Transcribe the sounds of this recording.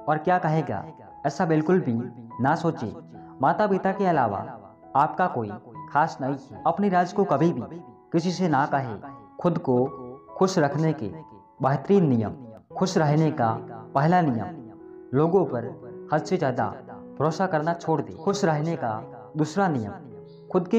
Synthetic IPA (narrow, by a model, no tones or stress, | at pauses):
ɔːɾkjaːkɐɦeːɡa̰ː | ɛːsabɪlkʊlbʱinasoːt͡ʃḛ | maːt̪apiːt̪akeɐla̰ːʋa̰ | aːpkakoːḭkʰaːsnɐɦĩɐpniɾaːd͡ʒkokɐbʱibʱikɪsisenakɐɦḛkʰʊd̪kokʊʃɾɐkʰnekḛ | bəɦt̪ɾiːnːijə̰mkʰʊʃɾɐɦnekapɛɦlanɪjə̰m | loːɡõpəɾhɐd̪sed͡ʒjaːd̪a̰ | bʱɾoːsakɐɾnat͡ʃʰoːɽd̪ḛːkʰʊʃɾəɦneka | d̪usɾanɪjə̰m | kʰʊd̪ke